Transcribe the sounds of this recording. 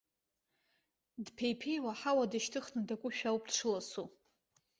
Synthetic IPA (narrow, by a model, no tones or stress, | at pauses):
dpʰejpʰe̞jwaħawadaʃtʰɨχnɨdakʷʼʊʃᶣawpʼdʂʰɨlasu